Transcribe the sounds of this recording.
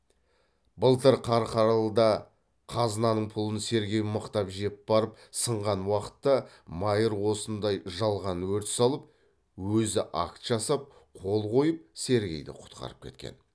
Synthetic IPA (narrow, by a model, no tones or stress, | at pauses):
bəlˠt̪əɾqʰɑɾqʰɑɾɑlˠd̪ɑ | qʰɑznɑnəɴpʰʊlˠənse̞ɾɡʲe̞jɪməqt̪ɑpʒe̞b̥ɑɾəpsəɴʁɑnwɑqə̥t̪ːɑ | mɑjəɾwo̞sənd̪ɑjʒɑlˠʁɑnwɵɾt̪ɪ̥sɑlˠəp̚ | wɵzɪʔɑ̰kt̪ʒ̥ɑsɑp̚qʰo̞lˠqʰo̞jəp̚se̞ɾɡʲe̞̰jd̪ɪ̰qʰʊ̥t̪qɑ̰ɾəp̚kʲʰe̞̰t̪kʲḛn